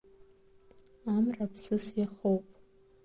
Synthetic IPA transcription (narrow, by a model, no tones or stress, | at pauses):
amrapʰsɨsaχowpʼ